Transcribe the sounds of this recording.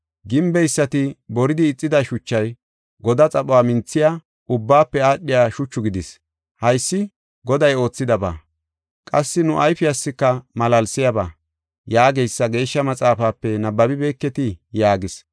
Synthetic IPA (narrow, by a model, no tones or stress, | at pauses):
ɡɪmbɛjsːɐt̪ɪbɔɾɪd̪ɪːt͡sʼːɪd̪ɐʃʊt͡ʃːɐj | ɡɔd̪ɐt͡sʼɐɓʊwaːmɪnt͡sːɪjaː | ʔʊbːaːpːɛaːɗːɪjaːʃʊt͡ʃːʊɡɪd̪ɪs | hɐjsːɪ | ɡɔd̪ɐjo̞ːt͡sːɪd̪ɐba̰ː | kʼɐsːɪnʊʔɐjfɪɐsːɪkːɐmɐlɐlsɪjɐbaː | jaːɡɛjsːɐɡe̞ːʃːɐmɐt͡sʼaːfaːpːɛnɐbːɐbɪbɛːkːɛt̪ɪjaːɡɪs